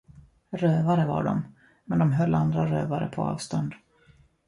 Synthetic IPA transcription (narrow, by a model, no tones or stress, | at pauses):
ɾøːvaɾəva̰ɖɔm | mɛnd̪ɔmɦœlːand̪ɾaɾøːvaɾə̰pʰɔɑ̰ːvst̪ɔnd̪